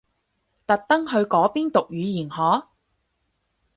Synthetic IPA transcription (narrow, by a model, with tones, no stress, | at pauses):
t̪ɐ˨k̚t̪ɐ˥ŋɦɵ˧ɥkɔː˨˥piː˥nt̪ʊ˨k̚jyː˨˧jiː˨˩nhɔː˨˥